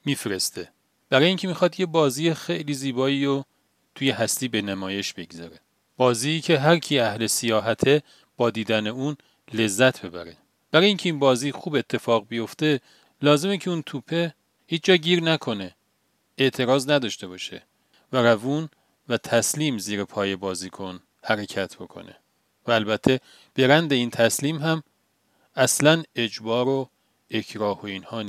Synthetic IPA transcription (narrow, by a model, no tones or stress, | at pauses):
miːfɾest̪e̞ | b̥æɾɒːjiːŋcʲʰe̞mixɒd̪je̞bɒːziːjexe̞jliːziːbɒːiːɾo | t̪ʰuːje̞hæst̪iːbenæmɒːje̞ʃb̥e̞ɡzæɾe̞ | b̥ɒːziːcʰe̞ɦæɾcʰiæhle̞sejɒːɦæt̪ʰe̞ | b̥ɒːd̪iːd̪æneuːn | le̞zːæt̪ʰb̥e̞bæ̰ɾe | b̥æɾɒːjiːŋcʰe̞iːnbɒːziːxuːbe̞t̪ʰːe̞fɒːɣbijo̞ft̪e̞ | lɒːze̞mecʰeunt̪ʰuːpʰe̞ | hiːt͡ʃd͡ʒɒːɟiːɾnækʰo̞ne̞ | eʔt̪ʰe̞ɾɒːznæd̪ɒːʃt̪e̞bɒːʃe̞̰ | væɾævuːn | væt̪ʰæsliːmziːɾepʰɒːje̞bɒːziːkʰo̞n | hæɾe̞cʰæt̪ʰb̥o̞kʰo̞̰ne̞̰ | væːlbæt̪ʰːe̞ | b̥e̞ɾænd̪e̞iːnt̪ʰæsliːmɦæm | æslæne̞d͡ʒbɒːɾo | e̞kʰɾɒːho̞iːnhɒːnː